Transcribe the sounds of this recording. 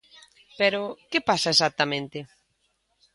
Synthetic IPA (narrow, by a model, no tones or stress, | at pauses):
peɾʊkɪpasɐesak̚t̪amẽnt̪ɪ